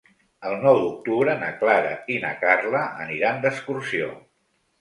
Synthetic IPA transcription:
əlˠnɔwd̪uk̚t̪uβɾənəklaɾə̰ina̰karləə̰niɾand̪əskuɾsio̰

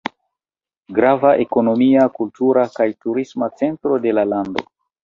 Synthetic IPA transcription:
ɡɾavaʔe̞ko̞no̞miakultuɾakajtuɾismat͡se̞ntɾo̞de̞lalando̞̰

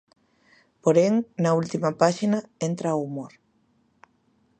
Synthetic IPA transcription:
poɾeŋnɐult̪imapaʃinaent̪ɾaumoɾ

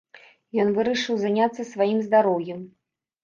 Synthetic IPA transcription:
jɔnvɨɾɐʂɨwzanʲat̪sːɐsvajimzd̪aɾɔwjɛm

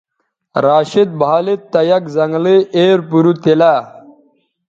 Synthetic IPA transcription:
ɾaːɕid̪̚bɑːlit̪ːɐjɐkzɐŋɡliʔeːɾpuɾut̪ila

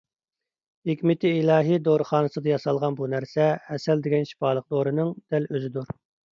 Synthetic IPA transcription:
hɪkʲmɪt̪ʰiːlˠɑːɦijd̪oɾɨχɑːnɨsɨd̪ɨjɑsɑlˠʁɑnbunæɾsɛhɛsɛld̪ɪɡʲɛnʃi̥pɑːlˠəq̚d̪oɾɨnɨŋd̪̥ɛløzɪd̪uɾ

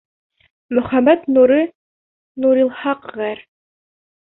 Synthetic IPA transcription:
mɵ̆χæmæt̪nuɾɤ | nuɾilˠhɑqʁæɾ

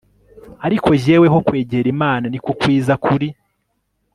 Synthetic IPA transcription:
aɾikʰo̞ʒe̞ːwe̞ɦo̞kwe̞ːɟeɾimaːnanikokwiːzakʰuɾi

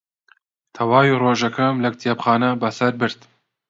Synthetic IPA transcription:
t̪ʰɐwaːwiroːʒɐkʰɐmlɐk̚t̪ʰjepχaːnɐbɐsɐɾbɨɾt̪

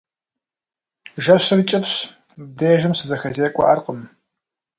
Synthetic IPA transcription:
ʒɐɕɪrit͡ʃʼɐfɕ | b̚deːʒɨmɕɨzɐxɐzeːkʷʼɔ̰ʔɐrqʼəm

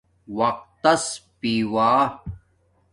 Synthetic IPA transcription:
wɐq̚t̪ɐspiːwaː

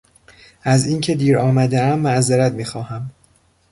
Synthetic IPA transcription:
ʔæziːncʰe̞d̪iːɾɒːmæd̪eæmːæzeɾæt̪miːxɒːhæm

